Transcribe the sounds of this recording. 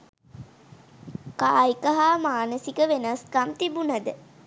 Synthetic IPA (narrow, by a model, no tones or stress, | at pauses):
kaːikəɦaːmaːnəsikəʋenaskamt̪ibunad̪ə